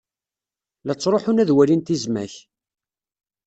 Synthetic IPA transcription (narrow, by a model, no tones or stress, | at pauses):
læt͡sːɾˤoħʊnæðwælint̪izmæç